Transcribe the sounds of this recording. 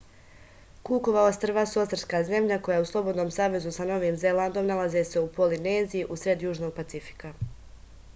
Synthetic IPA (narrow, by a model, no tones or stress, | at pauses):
kuːko̞ʋao̞st̪r̩ʋasuot̪t̪ɾskaːze̞mʎako̞jauslˠo̞bo̞d̪noːmsaːʋe̞zusano̞ʋiːmzeland̪o̞mnalˠazese̞upo̞lineːzijiʔusɾe̞d̪juːʒno̞ɡ̚pat̪sifi̥ka